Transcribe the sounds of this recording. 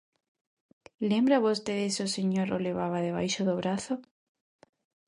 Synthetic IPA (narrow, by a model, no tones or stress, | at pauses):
lembɾaβost̪eðesoseɲoɾoleβ̞aβ̞aðeβ̞ajʃoðoβɾaθo